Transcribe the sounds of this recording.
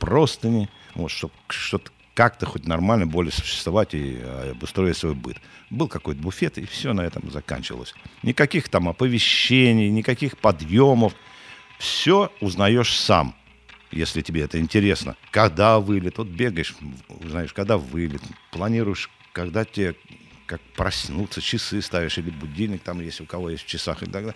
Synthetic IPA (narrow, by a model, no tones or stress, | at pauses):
pro̞st̪ənʲɪvot̪ʂt̪o | ʂt̪ot̪ə̥ | kak̚t̪əxo̞tʲnɐrmalʲnəbolʲɪsʊ̥ɕːɪ̥st̪vavatʲḭɐ̰bʊst̪ɾoɪtʲsvo̞̰jbɨ̰t̪bɨlˠkɐko̞jt̪̚əbʊfʲe̞t̪ɪfsʲonɐɛt̪əmzɐka̰nʲt͡ɕɪvə̰lˠə̰sʲnʲɪkɐkʲixt̪amɐpəvʲɪɕːenʲɪjnʲɪkɐkʲixpɐd̪jo̞məf | fsʲo̞ʊznɐjo̞ʂsa̰m | jḛsʲlʲɪtʲɪbʲeɛt̪əɪnʲtʲɪɾʲe̞snə̰kɐɡd̪avɨlʲɪt̪vot̪̚bʲe̞ɡəjɪʂʊ̰znɐjoʂkɐɡd̪avɨlʲɪt̪plˠɐnʲiɾʊjɪʂ | kɐɡd̪atʲɪe | kak̚pɾɐsʲnut̪sːət͡ɕɪsɨst̪avʲɪʂilʲɪbʊdʲilʲnʲɪk̚t̪amjesʲtʲʊkɐvo̞jest̪ʲft͡ɕɪsaxɨ̰lʲɪ̰t̪ɐɡd̪a